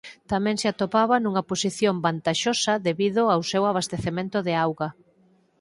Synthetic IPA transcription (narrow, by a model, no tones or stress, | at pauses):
t̪amɛ̃ŋsɪat̪opaβɐnuŋɐposiθjombant̪aʃosɐðeβiðʊawsewaβ̞ast̪eθemẽnt̪ʊðeawɣɐ